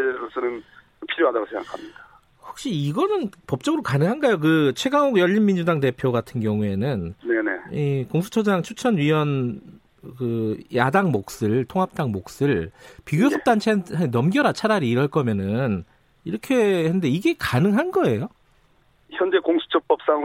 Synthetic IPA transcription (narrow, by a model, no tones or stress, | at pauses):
eɾʌsʰʌnɯn | pʰiɾjoɦadaɡosʰeŋɡakʰamɲid̥a | ɸo̥k̚ɕ͈iiɡʌnɯnpʌp̚t͡ɕ͈ʌɡɯɾokanɯŋɦanɡajok̬ɯt͡ɕʰwe̞ɡaŋoɡjʌʎːinmind͡ʑudaŋte̞pʰjoɡatʰɯnɡjʌŋue̞nɯnne̞ne̞̰ikoŋsʰu̥t͡ɕʰʌd͡ʑaŋt͡ɕʰut͡ɕʰʌnɥiwʌn | kɯjadaŋmok̚s͈ɯɭtʰoŋɦap̚t͈aŋmok̚s͈ɯɭpiɡjosʰʌp̚t͈ant͡ɕʰeɦenʌmɡjʌɾat͡ɕʰaɾaɾiːɾʌɭk͈ʌmjʌnɯn | iɾʌkʰe̞enɯnde̞iɡe̞kanɯŋɦanɡʌe̞jo | çjʌnd͡ʑe̞koŋsʰu̥t͡ɕʰʌp͈ʌp̚s͈aŋ